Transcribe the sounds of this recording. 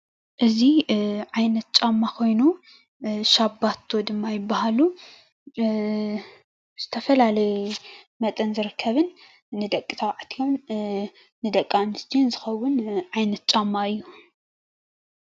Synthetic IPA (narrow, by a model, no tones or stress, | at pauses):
ʔɨziʕajnɐt̪̚t͡ʃʼamːakʰo̞jnu | ʃabːat̪ʰːo̞d̪ɨmːajɪbːahalu | z̥ɨt̪ʰɐfɐlalɐj | mɐt̪ʼɐnzɨɾɨkʰːɐβɨnː | ɨd̪ɐkʼit̪ʰɐwʕat̪ʰjonː | ɨd̪ɐkʼːamɨsd͡ʒinzɨxɐwːʊnʕajnɐt̪̚t͡ʃʼamːaɨjːu